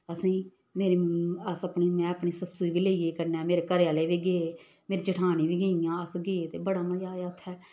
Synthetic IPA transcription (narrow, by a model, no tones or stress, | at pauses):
əsĩː | meːɾiːəsəpɳiːmɛ̃ːəpɳiːsəsuiːʋiːleːiɡeːkəɾnɛːmeːɾeːkəɾejaːleːʋiːɡeːeː | meːɾiːd͡ʒəʈʰaːniːʋiːɡeijãːəsɡeːeːt̪eːbəɽaːməd͡ʒaːt̪ʰːɛː